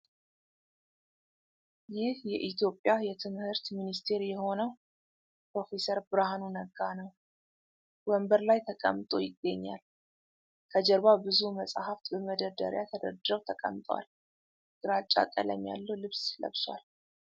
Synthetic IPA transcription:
jɪhjɛʔit̪ʰjo̞pʼːjajɛt̪ʰɨmhɨɾt̪minist̪ʰe̞ɾjɛho̞nəw | pɾo̞fe̞səɾbɨɾahanunəɡanəw | wəmbəɾlajt̪ʰəkʼə̰mt̪ʼo̞jɪɡːəɲːa̰l | kʰəd͡ʒɛɾβabɨzuməsʼahaft̪bəməd̪əd̪ə̰ɾjat̪ʰəd̪ə̰ɾd̪ɾəwt̪ʰəkʼə̰mt̪ʼwa̰l | ɡ̥ɨɾat͡ʃʼːa̰kʼə̰lə̰mja̰lːəwlɨβslə̰βswa̰l

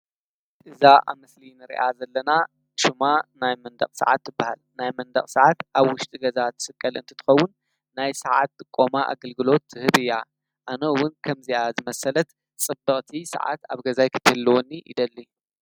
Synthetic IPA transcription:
ʔɨzaʔa̰mɨslinɨɾḭʔazɐlːɐna | ʃumanajmɐnd̪ɐ̰χʼsa̰ʕa̰t̪ːɨbːaha̰lnajmɐnd̪ɐχʼsɐʕat̪ʔaβwʊʃt̪ʼiɡɐzat̪ʰːɨ̥sɨkʼːɐlɨnt̪ʰɨt̪ʰɨ̥xɐwːʊnː | ajsɐʕat̪ːʼɨkʼːo̞maʔa̰ɡɐlɡɨlo̞t̪ːɨhɨβɨjːa | ʔanɐɨwʊnkʰɐmziazɨmɐsɐlɐt̪ | t͡sʼɨbɐχʼt̪ʰisɐ̰ʕa̰t̪aβɡɐzajkʰɨ̥t̪ɨlːɐwonːiʔḭd̪ɐlːi

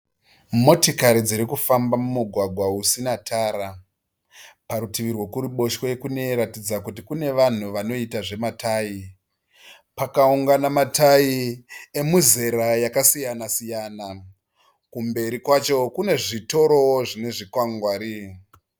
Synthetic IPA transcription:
mo̞tikaɾid͡ziɾikufambamumuɡʱwaɡʱwausinatʰaːɾa | paɾutiʋirwo̞kuɾiɓo̞ʃoekune̞ɾatid͡zakutikune̞ʋan̤uʋano̞itaʐe̞matʰaːji | pakauŋɡanamatʰajie̞muze̞ɾajakasijanasijana | kumbe̞ɾikwat͡ʃo̞kune̞ʐito̞ɾo̞woʐine̞ʐikwaŋɡwaːɾi

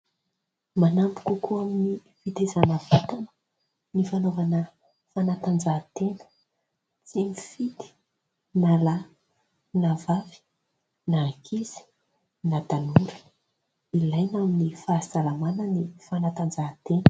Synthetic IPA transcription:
manampi̥kʲukuamini | fit̪ezanəvat̪anə̥ | nifanovanə | fanat̪and͡ʒat̪enə̥ | t͡senifit̪i̥ | nala | navavi̥ | nakʰiz̥i̥ | nat̪anuɾə̥ | ilajnaminifasalamanənifanat̪and͡zat̪enə

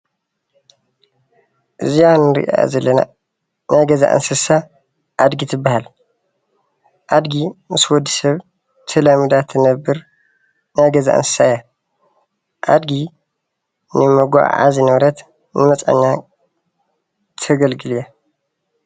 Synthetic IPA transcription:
ʔɨzijanɨɾḭʔa̰zɐlːɐna̰ | najɡɐza̰ʔɨ̰nsɨsa | ʔad̪ɡit̪ʰɨbːahal | ʔad̪ɡimɨswɔd̪ːisɐβ | t̪ʰɨlɐmɨd̪at̪ʰːɨnɐbːɨɾ | najɡɐza̰ʔɨ̰nsɨ̥saja | ʔad̪ɡi | nɨmɐɡʷa̰ʕa̰zinɐβɾɐt̪ | nɨmɐt͡sʼa̰ɲːa | t̪ʰɐɡɐlɡɨlija

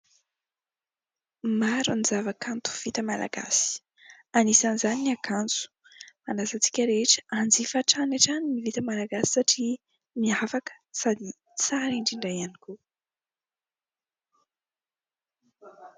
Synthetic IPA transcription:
maɾunizavakʰant̪u̥v̥it̪əmala̰ɡa̰si̥ | anisanizaniniakant͡su̥ | manasat͡si̥kʲəɾeʈ͡ʂəʔand͡zifaʈ͡ʂanaʈ͡ʂanimivit̪əmalaɡasi̥saʈ͡ʂi | miafakə̥sad̪i | t͡saɾiɳɖ͡ʐiɳɖ͡ʐajaniku

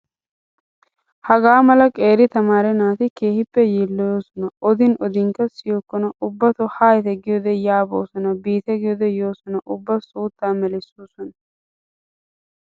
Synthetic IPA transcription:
hɐɡaːmɐlɐkʼe̞ːɾɪt̪ɐmaːɾɛnaːt̪ɪke̞ːhɪpːɛjiːlːɔjoːsɔnɐɔd̪ɪnɔd̪ɪŋkɐsɪjokːɔnɐʔʊbːɐt̪ɔhaːjt̪ɛɡɪjɔd̪ɛjaːbo̰ːsɔnɐbiːt̪ɛɡɪjɔd̪ɛjoːsɔnɐʔʊbːɐsuːt̪ːaːmɛlɪsoːsɔnɐ

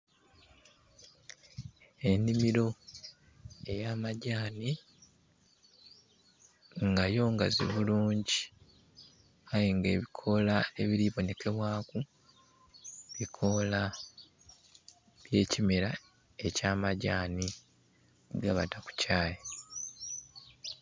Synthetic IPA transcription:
e̞nimiɾo̞ | e̞jaːmaɟaːni | ŋɡajo̞ŋɡa̰zḭβuluːɲɟi | ajiŋɡe̞ːβikʰo̞lae̞βiɾiβo̞ne̞ke̞βwaːku | βikʰo̞la | βje̞ːcimeɾa | e̞caːmaɟaːni | ɡaβa̰taku̥caːje

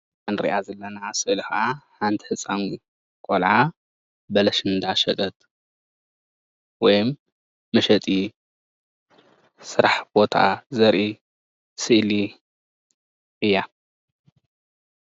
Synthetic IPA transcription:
ʔɐnɾḭʔazɐlːɐnasɨʔlxʔaħant̪ʰiħɨt͡sʼːanɡu | kʼolʕa | bɐlɐʃɨnd̪aʃɐt̪ʼɐt̪ʼ | wɔjmː | ɐʃɐt̪ʼi | sɨɾaħb̥ot̪ʰa̰zɐɾʔi | sɨʔli | ʔɨjːa

